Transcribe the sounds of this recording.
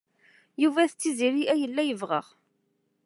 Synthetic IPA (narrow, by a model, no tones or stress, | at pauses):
juvæθət͡sːiziɾiʔæjəlːæjəvʁə̰ʁ